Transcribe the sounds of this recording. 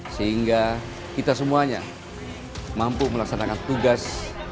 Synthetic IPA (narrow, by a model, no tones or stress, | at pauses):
səɦiŋɡa | kit̪asəmuaɲa̰ | mampuməlaksanakant̪uɡas